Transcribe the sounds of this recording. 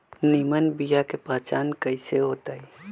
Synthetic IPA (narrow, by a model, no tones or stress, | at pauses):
nimənbijakepaːt͡ʃaːnkəiseɦoːt̪aːi